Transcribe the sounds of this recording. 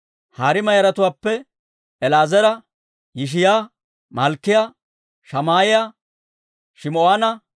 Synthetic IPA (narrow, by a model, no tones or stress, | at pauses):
haːɾɪmɐjɐɾɐt̪ʊwaːpːɛ | ɛlaːzɛɾɐ | jɪʃ̬ɪjaː | mɐlkːɪjaː | ʃɐmaːjɪja | ʃɪmoanɐ